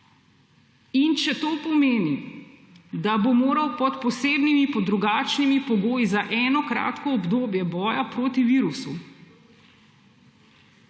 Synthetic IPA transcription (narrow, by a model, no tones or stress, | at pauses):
int͡ʃɛt̪oːpɔmeːni | d̪abomoːɾɐwpɔt̪pɔseːbnimipɔd̪ɾuɡaːt͡ʃnimipɔɡoːjizaʔɛːnɔkɾa̰ːt̪kɔːbd̪oːbjɛbɔːjapɾoːt̪iʋiːɾusu